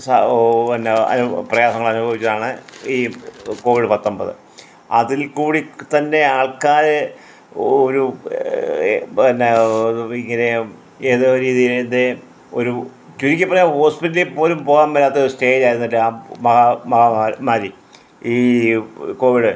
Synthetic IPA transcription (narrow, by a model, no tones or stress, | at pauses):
sɐnːeɐ̰nprɐjaːsɐŋːɐɭɐnubʱɐʋit͡ɕʲːɐðaːɳɨiːko̞ːʋiɽɨpɐt̪ːombɐðɨ̰ | ɐ̰ðilkuːɽit̪ɐnːe̞aːɭkaːɾe | oɾu | t̪ɐnːeiŋːɐne̞ | eːðoɾiːðijilend̪e | o̞̰ɾu | t͡ɕuɾikʲːɐpːɐrɐɲaho̞ːspitːɐlepo̞ːlumpo̞ːɣaːmbɐlːaːt̪ːeoɾusʈe̞ːd͡ʑaːjɾunːɐʈːɨamɐɣɐmɐɣɐamaːɾi | iː | ko̞ːʋiɽɨ